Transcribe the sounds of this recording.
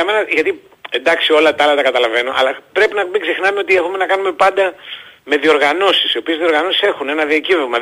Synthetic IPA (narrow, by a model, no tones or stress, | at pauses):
ɐme̞nɐʝɐt̪i | end̪ɐksio̞lɐt̪ɐɐlɐt̪ɐkɐt̪ɐlɐve̞no̞ʔɐ̰lɐpɾe̞pinɐmiɡsexnɐmeo̞t̪iexume̞nɐkɐnume̞pɐnd̪ɐme̞ðio̞ɾɣɐno̞sisio̞pie̞zðio̞ɾɣɐnosi̥se̞xune̞nɐðiɐcivemɐ